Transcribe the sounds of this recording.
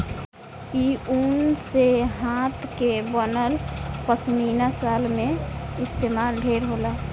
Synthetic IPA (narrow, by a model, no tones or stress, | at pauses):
iunseɦãt̪kebənəlpəsminasalmẽɪst̪eːmaːlɖʱeːɾɦola